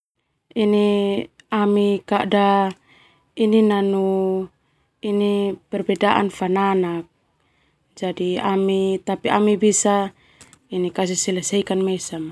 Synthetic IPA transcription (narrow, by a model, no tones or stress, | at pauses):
ini | amikaʔda | ininanu | inipɛrbɛdaʔa̰nfananak̚ | d͡ʒadiamit̪apiʔamibisa | inikas̬isilɛsɛkanmɛsam